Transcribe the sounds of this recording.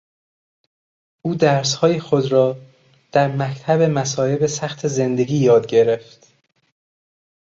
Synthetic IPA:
ʔuːd̪æɾshɒːjexod̪ɾɒː | d̪̥æɾmækt̪ʰæbe̞mæsɒːe̞be̞sæxt̪ʰe̞ze̞nd̪e̞ɡiːjɒːd̪̚ɟe̞ɾe̞ft̪

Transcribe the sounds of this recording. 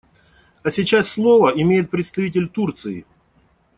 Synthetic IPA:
ɐsʲɪt͡ɕasːlˠovəɪmʲejɪt̪̚pɾʲɪt̪st̪ɐvʲit̬ʲɪlʲt̪urt̪sɨɪ̰

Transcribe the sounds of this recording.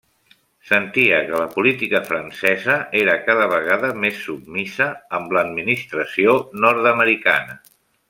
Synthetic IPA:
sənt̪iəkələpulit̪ikəfɾənsɛzəeɾəkaðəβəɣaðəmesːub̚misəːmləd̪minist̪ɾəsionɔɾt̪əməɾika̰nə

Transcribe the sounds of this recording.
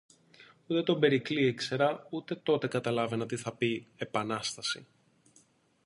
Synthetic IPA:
ut̪e̞t̪o̞be̞ɾikliekse̞ɾɐut̪e̞t̪o̞t̪e̞kɐt̪ɐlɐve̞nɐt̪iθɐpie̞pɐnɐst̪ɐsḭ

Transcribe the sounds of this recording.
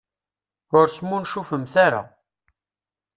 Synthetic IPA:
ʊɾsmunʃufəmθaɾa̰

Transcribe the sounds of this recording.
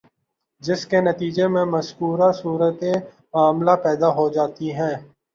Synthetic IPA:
d͡ʒɪskenɐt̪iːd͡ʒemẽmɐskuːɾasuːɾət̪e | maːmlapɛːd̪aɦod͡ʒaːt̪iɦɛ̃ː

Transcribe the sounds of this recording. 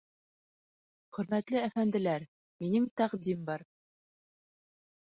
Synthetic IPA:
χɵ̆ɾmæt̪lɘæfænd̪ɘ̆læɾ | minɘŋt̪æqd̪imbɑɾ

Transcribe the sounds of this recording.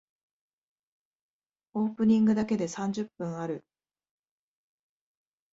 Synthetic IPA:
o̞ːpɯ̟ɲ̟ĩŋɡɯ̟d̪ake̞d̪e̞sãɲ̟d͡ʑɨpːɯ̟̃ɰ̃aɾɯ̟

